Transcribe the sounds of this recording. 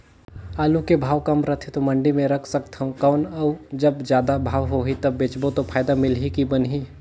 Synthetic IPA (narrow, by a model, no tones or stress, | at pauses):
aːlukebʱaːʋkɐmɾɐt̪ʰet̪omɐ̃ɳɖimẽɾɐkʰsɐkt̪ɦɐ̃kaʊnɐwd͡ʒɐbzjaːd̪abʱaːʋɦoɦit̪ɐbːeːt͡ʃbot̪opʰaːjd̪amɪlɦikibɐnɦiː